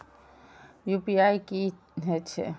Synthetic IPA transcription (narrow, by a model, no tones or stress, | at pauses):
jupiaiki | ɦɛt͡ʃʰḛ